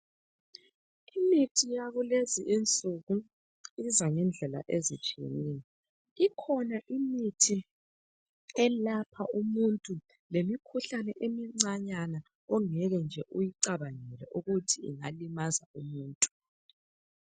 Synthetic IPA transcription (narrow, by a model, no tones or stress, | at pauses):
imitʰijaɣuleziʔint͡sʼuɣu | izaŋɛnd͡ɮʱɛla̰ʔezḭt͡ʃʼiḛniːjɛ | ikʰɔnaʔimitʰi | ɛlapʰaumuntʼu | lemikʰuɬanɛʔemiŋ͡ǀaɲana | ɔŋɛɣɛnd͡ʒʱɛʔujiǀaβanɛlɛ̰ʔuɣutʰiḭŋa̰limazaumuːntʼu̥